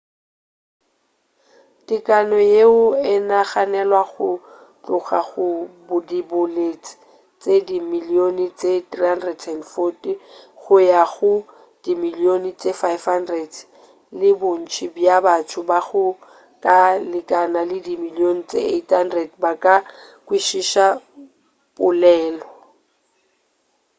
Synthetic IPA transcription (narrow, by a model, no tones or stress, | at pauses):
tɪkʼanɔjeʊɪnaχanɛlwaχʊ | t͡ɬʼʊχa̰ɣʊbʊdibʊlet͡sʼi̥ | t͡sʼedimilionit͡sʼetrihandrɛdʰɛndfɔtʼiχʊjaɣʊ | d̥imiliont͡sʼefajfhandrɛd | lɪbʊn̩t͡ʃʰibjabatʰʊbaɣʊ | kʼalɪkʼanalɪdimilion̩t͡sʼḛethandrɛdbakʼa | kʼwiʃiʃa | bʊlɛːlɔ